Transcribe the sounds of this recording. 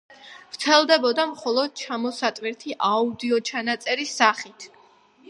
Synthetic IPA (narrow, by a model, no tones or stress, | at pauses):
vɾt̪sʰɛlˠd̪ɛbɔd̪amχɔlˠɔd̪̥̚t͡ʃʰamɔsat̪ʼwɛɾt̪ʰiʔaud̪iɔt͡ʃʰanat̪sʼɛɾisːaχit̪ʰ